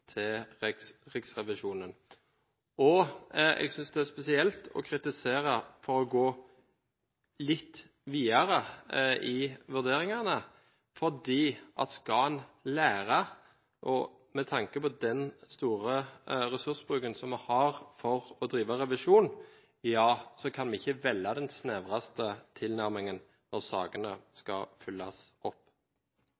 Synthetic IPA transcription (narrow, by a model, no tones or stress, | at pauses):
t̪ʰɪl | ʁɪksʁɛʋɪʃuːnən | ɔɛ̰ɡsʏnsd̪ɛæspɛsɪɛlt̪ʰɔ̰kʰɾɪt̪ɪseːɾəfɔɾɔɡoː | lɪt̪ː | ʋiːɑɾəʔɪʋʉd̪eːɾɪŋɑnə | fɔʁd̪iːʔɑ̰t̪skɑnlæːʁə | ʔɔ | mɛt̪ʰɑŋkəpɔd̪ɛnst̪uːʁəɾɛsʉsbɾʁʉːkənsɔmːɛhɑʁfɔʁɔd̪ɾiːʋɑʁɛʋɪʂuːn | jɑːsɔkʰɑnmɛɪçːəʋɛlːɑd̪ɛnsnɛʋʁɑst̪ət̪ʰɪlnæɾmɪŋən | nɔʁsɑ̰ːɡənəskɑfʏlːɑsɔpː